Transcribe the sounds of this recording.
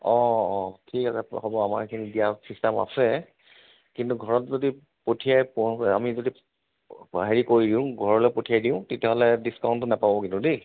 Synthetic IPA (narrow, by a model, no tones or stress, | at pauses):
ɔɔtʰikasɛhɔbɔamaɹkʰinidijasɹistama̰sɛ | kintuɡʱɔɹɔtzodi | potʰijajpɔa̰mizodi | ɦeɹikoɹidiʊ̃ɡʱɔɹɔlɔjpotʰijajdiʊ̃tetiaɦɔlɛdiskaw̃ntːʊnapabɔkintʊde